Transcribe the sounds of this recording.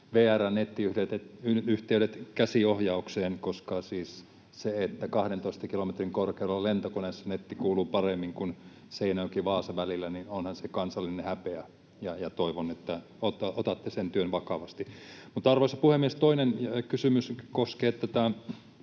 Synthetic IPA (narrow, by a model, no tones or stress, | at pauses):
ʋeːærænnet̪ːiyhɾet̪et̪yyht̪eyɾet̪kæsiohjɑukseːnkoskɑsiːs | seet̪ːækɑhɾent̪oist̪ɑkilomet̪riŋkorkeulelːɑlent̪okonesːɑnet̪ːikuːluːpɑremːiŋkun | seinoːkiʋɑːsɑʋælilːæninonhɑnsekɑnsɑlːinehæpeæ | jɑjɑt̪oiʋonet̪ːæ | ot̪ɑot̪ɑt̪ːesent̪yønʋɑkɑʋɑst̪imut̪ɑrʋosɑpuhemːiest̪oinenkysymyskoskeːt̪ːæt̪æ